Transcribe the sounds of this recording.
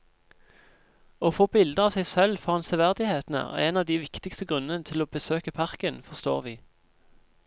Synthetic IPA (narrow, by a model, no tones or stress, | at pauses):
oːfoːbɪld̪əɑːʋsɛɪsɛlfɔʁhɑnsəʋæʁd̪ɪheːt̪n̩ə̰ḛnɑːʋd̪iːʋɪkt̪ɪkst̪əɡʁʉnːənət̪ʰɪloːbəsøːkəpʰɑʁkənfɔʁst̪o̰ːʁʋiː